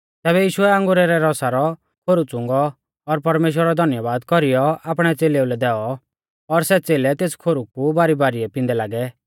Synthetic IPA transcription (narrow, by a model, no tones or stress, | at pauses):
t̪ɛːβɛjiːʃʊɛãŋɡʊɾɛɾɛɾɔsaɾɔ | kʰoɾut͡sʊ̃ŋɡɔː | ɾpɐɾmeːʃ̬wəɾɔd̪ʱɐnjəbaːd̪kɔɾijɔaːpɽ̃ɛt͡seːleulɛd̪ɛːɔ | ɔɾsɛt͡seːlɛt̪eːskʰoɾukubaːɾibaːɾiɛpɪ̃nd̪ɛlaːɡɛ